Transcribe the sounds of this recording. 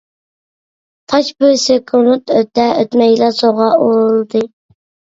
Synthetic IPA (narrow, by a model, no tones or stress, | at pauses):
t̪ʰɑt͡ʃbɪɾsekʲʰunut̪øt̪ːɛøt̪mɛjlɑsoʁɑʔoɾɨlˠd̪ɨ